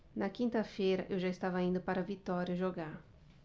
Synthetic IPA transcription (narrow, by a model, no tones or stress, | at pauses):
nɐkĩnt̪ɐfejɾɐʔewʒaist̪avɐĩnd̪ʊpaɾɐvit̪ɔɾjɐʒoɡaɾ